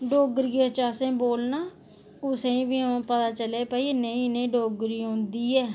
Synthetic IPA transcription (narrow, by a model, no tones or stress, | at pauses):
ɖoːɡɾiːeːt͡ʃaːsẽːboːlnaː | kʊsẽĩːʋiːõpət̪aːt͡ʃəleːpaːiːenəĩːnẽːɖoːɡɾiːõːnd̪iːɛː